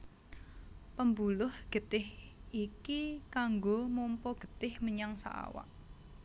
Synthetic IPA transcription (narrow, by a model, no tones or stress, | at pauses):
pəmbulʊhɡ̥ət̪ɪhikikaŋɡomompɔɡ̥ə̤t̪ɪhməɲaŋsa̰ʔa̰wa̰ʔ